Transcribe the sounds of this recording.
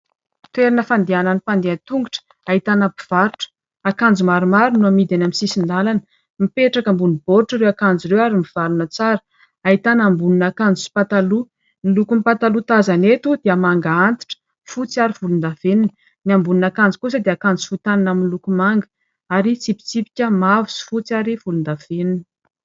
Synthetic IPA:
t̪weɾinəfand̪iananipand̪eant̪uŋɡuʈ͡ʂə̥ | aɦit̪anabiv̥aɾuʈ͡ʂə̥ | akand͡zumaɾumaɾunuamid̪anamisisind̪alanə | mipeʈ͡ʂakəmbunib̥oɾuʈ͡ʂaɾewakand͡ziɾewaɾimiv̥alunət͡saɾə̥ | aɦit̪anambununakand͡zusi̥pat̪alu | nilukumpat̪alut̪azanet̪ud̪̥eamaŋɡaant̪i̥ʈ͡ʂə̥ | fut͡siaɾiv̥ulund̪av̥enini | niambununakand͡zikus̬əd̪eakand͡zu̥fut̪aninaminilukumaŋɡə̥ | aɾit͡sipi̥t͡sipi̥kʲəmavusi̥fut͡saɾivulund̪av̥eninə̥

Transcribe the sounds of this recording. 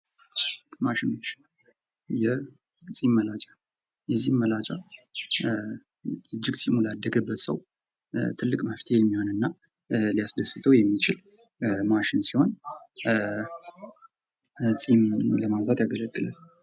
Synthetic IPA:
maʃɪnot͡ʃː | jɛ | t͡sʼimːəlat͡ʃʼḁ | jɛzːimːəlat͡ʃʼa | ɨd͡ʒːɪɡsimulad̪ːəɡəbːət̪sə̰w | t̪ʰɨlːɨkʼməft̪ʰejɛmːiho̞nɨnːa | lijasd̪əsɨt̪ʰəwjɛmːit͡ʃɪl | maʃɪnsiho̞n | sʼimləmanzat̪jaɡələɡːɨla̰l

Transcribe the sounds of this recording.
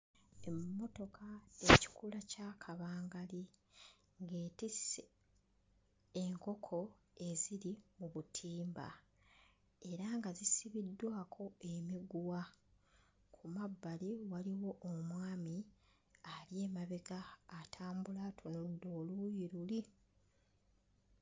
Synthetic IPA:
e̞mmmːo̞to̞kʰaeci̥kulacaːkʰaβaːŋɡali | ŋɡe̞ːtise | eŋko̞kʰo̞ | e̞ziɾimuβutʰiːmba̰ | e̞ɾaŋɡazisiβidːwaːkʰo̞emiɡuwa | kʰumabːaliwaliwo̞ʔomwaːmi | alje̞ːmaβeɡaːtʰaːmbulatʰonodːo̞lujiɾuli

